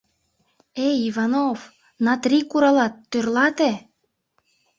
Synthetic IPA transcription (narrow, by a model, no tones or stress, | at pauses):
eivɑnof | nɑt̪rʲikuɾɑlɑt̪ːørlɑt̪e